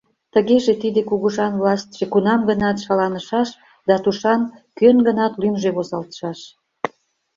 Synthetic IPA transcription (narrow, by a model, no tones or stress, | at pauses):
t̪əɣeʒet̪id̪ekuɣəʒɑnvlɑst̪ʲʒ̥ekunɑmɡənɑt̪ʃɑlɑnəʃɑʃ | d̪ɑt̪uʃɑnkønɡənɑt̪lymʒeβozɑlt̪ə̥ʃɑʃ